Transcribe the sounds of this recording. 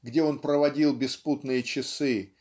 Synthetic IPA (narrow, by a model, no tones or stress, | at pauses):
ɡdʲeo̞npɾəvɐdʲilˠbʲɪsput̪nɨjət͡ɕɪsɨ